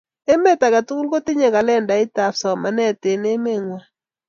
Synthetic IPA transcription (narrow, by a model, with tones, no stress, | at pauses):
e˦me˦ta˨ka˨tu˦ku˦lko˦tɪ˦ɲe˨ka˨lɛ˦˨nda˨ɪ˦ta˨fsɔ˨ma˨nɛ˦˨te˨ne˦me˦˨ŋwa˨